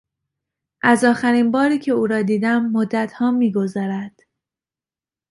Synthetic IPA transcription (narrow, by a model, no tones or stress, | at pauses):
ʔæzɒːxæɾiːnbɒːɾiːcʰe̞uːɾɒːd̪iːd̪æmːod̪ːæt̪ʰhɒːmiːɡo̞zɒːɾæd̪̥